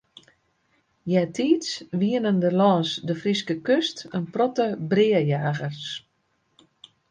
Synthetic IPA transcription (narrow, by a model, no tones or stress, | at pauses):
jɛtʰiːtsʋiənəndəlɔːnsdəfriskəkøstənprɔtəbrɪəjaːɣərs